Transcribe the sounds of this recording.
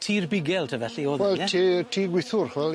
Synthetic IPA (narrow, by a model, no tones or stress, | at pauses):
tʰiːrbɪɡɛlˠtʰavɛɬioːwɛltʰiːtʰiːɡwɪθʊrχwɛl